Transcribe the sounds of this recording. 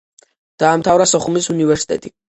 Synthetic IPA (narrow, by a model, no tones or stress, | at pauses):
d̪̥aːmt̪ʰavɾasɔχumisunivɛɾsi̥t̪ʼɛ̰t̪ʼi